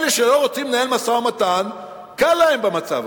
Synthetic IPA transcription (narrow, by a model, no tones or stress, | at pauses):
leʃelo̞ʁo̞t͡simnaelmasamat̪an | kalːaembamat͡sa̰v